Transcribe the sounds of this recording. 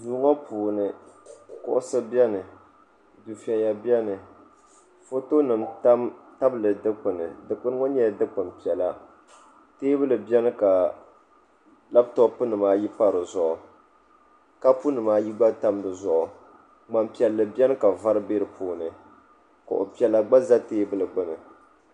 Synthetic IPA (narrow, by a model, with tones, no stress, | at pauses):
duː˨˦ŋɔ˦pʰuː˨nɨ˨kʊ̰˨ʔʊ˦sɨ˦bɛ˦nɨ˨ | du˨fi˨a˨ja˨bjɛ˦nɨ˨ | fo˦to˦nɨ˨mta˦mta˦blɨ˨dɨ˦k͡pɨ˨nɨ˨dɨ˨k͡pɨ˦n˦ŋɔ˦ɲɛ˦˨dɨ˦k͡pɨ˨mpi˨ɛ˨la˦ | teː˦bɨ˦lɨ˨bɛ˦nɨ˦ka˨ | la˦btɔ˦pɨ˦nɨ˨maː˦ji˦pa˦ɾɨ˨zʊ˨ʔʊ˨ | ka˦pu˦nɨ˨maː˦ji˦ɡ͡ba˦ta˦mdɨ˨zʊ˦ʔʊ˨ | ɡ͡ba˨mpi˨ɛ˨lːɨ˨bjɛ˦nɨ˦ka˨va˦ɾɨ˦be˦ɾɨ˨pʰuː˦nɨ˨ | ka̰˨ʔo̰˨pi˨ɛ˨lːa˦ɡ͡ba˦za˦teː˦bɨ˦lɨ˨ɡ͡bɨ˦nɨ˨